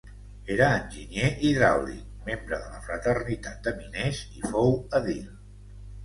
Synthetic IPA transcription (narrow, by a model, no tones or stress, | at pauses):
eɾəːnʲʒinjeʔiðɾa̰wlḭ | membɾəðələfɾət̪ərnit̪at̪̚d̪əminezifowəðil